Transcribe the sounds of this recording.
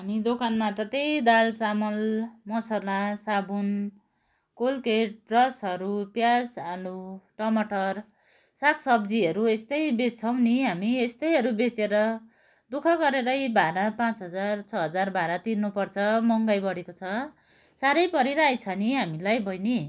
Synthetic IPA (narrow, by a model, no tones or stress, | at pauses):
ɦamid̪okanmat̪ʌt̪ejd̪alt͡samʌlmʌsalasabun | kolkeʈ̚rʌsɦʌɾupjasaluʈʌmʌʈʌr | sakʰsʌbd͡ziɦʌɾuest̪ʌjbet͡sʰʌw̃niɦamiest̪ʌjɦʌɾubet͡seɾʌ | d̪ukʰʌɡʌɾeɾʌjbʱaɾapãt͡sɦʌd͡zart͡sʰʌɦʌd͡zarbaɾat̪inːupʌrt͡sʰʌmʌŋɡʌjbʌɽekot͡sʰʌ | saɾʌjpʌɾiɾajt͡sʰʌniɦamilajbʱʌjni